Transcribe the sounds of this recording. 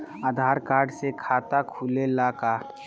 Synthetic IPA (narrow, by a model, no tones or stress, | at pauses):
aːd̪ʱaːɾkaːɾɖsekʰaːt̪akʰuːlelaːka